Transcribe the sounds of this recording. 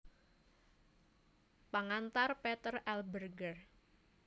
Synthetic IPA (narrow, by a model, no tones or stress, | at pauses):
paŋant̪arpet̪ərɛlbərɡər